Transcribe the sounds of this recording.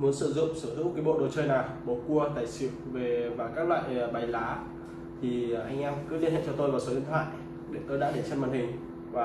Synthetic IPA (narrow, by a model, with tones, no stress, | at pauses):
mu˨˦ənsɨ̰˧˩zʊ̰˧˨ŋ͡msɨ˧˩t̪ʰɨ̰˧˥kaː˨˦ɓo̰˧˨ɗo˨˩t͡ɕəː˧jnaː˨˩wɓo˨ku˧ət̪aː˧˩jsḭ˧˨wve˨˩vaː˨˩kaː˦˥k̚lwa̰ː˧˨jɓa˨˩jlaː˨˦ | t̪ʰi˨˩ʔa˧jŋ̟ʔɛ˧mkɨ˧˦li˧ənhɛ̰˧˨nt͡ɕɔ˧t̪o˧jmaː˨˩tso˨˦ɗḭ˧˨ənt̪ʰwa̰ː˧˨j | ɗe˨˧˩k̪əː˧˦ɗa̰ː˧˥ɗe˧˩t͡ɕə˧nmaː˨˩nhï˨˩ŋ̟ | vaː˨˩